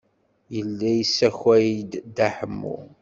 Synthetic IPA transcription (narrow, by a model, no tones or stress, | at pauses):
jəlːæjəsːæçwæjid̪d̪aħəmːṵ